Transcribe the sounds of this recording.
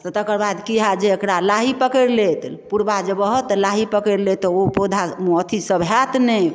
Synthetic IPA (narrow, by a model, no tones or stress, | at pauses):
t̪ɔt̪əkəɾbad̪kiɦad͡ʒeekɽalaɦipəkəɾlet̪puɾbad͡ʒebəɦət̪laɦipəkəɾlet̪ɔopod̪ʱaət̪ʰisəbʱat̪nɛ